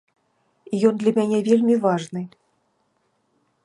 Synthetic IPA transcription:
ijɔnd̪lʲɐmʲanʲɛvʲelʲmʲivaʐnɨ

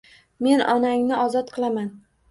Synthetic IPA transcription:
me̞nɒnaŋnɪʔɒzɒt̪qʰɨlˠaman

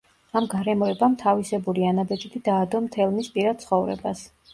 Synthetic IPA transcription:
amɡaɾɛmɔɛbamt̪ʰavisɛbuɾianabɛd͡ʒid̪ʰid̪aːd̪ɔmt̪ʰɛlˠmispʼiɾad̪̚t̪sʰχɔvɾɛ̰bas

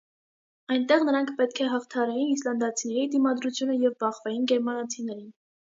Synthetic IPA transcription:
ɑjnt̪ɛʁnəɾɑŋkʰpɛt̪kʰɛɦɑχt̪ʰɑɾɑjinislɑnd̪ɑt͡sʰinɛɾid̪imɑd̪ɾut͡sʰjunəjɛvbɑχvɛjinɡɛɾmɑnɑt͡sʰinɛɾin

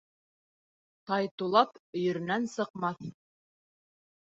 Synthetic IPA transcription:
t̪ɑjt̪ulˠɑpɵ̆jɵ̆ɾɘ̆nænsɤ̆qmɑθ

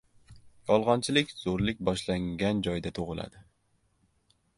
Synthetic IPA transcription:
jɒlˠʁɒnt͡ʃʰɪlɪkʲz̥oɾlɪk̚ʲbɒʃlaŋɡʲand͡ʒɒjd̪at̪ʰoʁɨla̰d̪ɪ

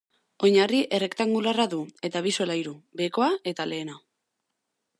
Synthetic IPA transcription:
o̞ɲariʔe̞re̞kt̪aŋɡularaðue̞t̪aβ̞iso̞laiɾube̞ko̞ae̞t̪ale̞ːna

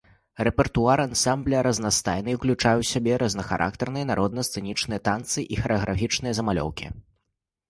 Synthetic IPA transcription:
rɛpʲɛrt̪uaɾansamblʲɐɾɐznast̪ajnɨwklʲut͡ʂajɛwsʲabʲɛɾʔɐznɐxa̰ɾʔa̰k̚t̪ɛrnɨjɐnaɾʔɔd̪̚nɐst̪sɛnʲit͡ʂnɨjɐt̪ant̪sɨʔixɐɾɛɐɣɾafʲit͡ʂnɨjɐzɐmalʲɔ̰wkʲḭ

